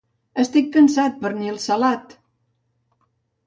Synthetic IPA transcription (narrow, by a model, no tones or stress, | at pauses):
əst̪ikːənsat̪̚pəɾnilˠsəlat̪